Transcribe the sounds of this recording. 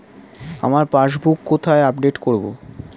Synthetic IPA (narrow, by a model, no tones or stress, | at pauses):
a̰maɾpaʃbukːot̪ʰaeab̚ɖeʈkoɾbo̰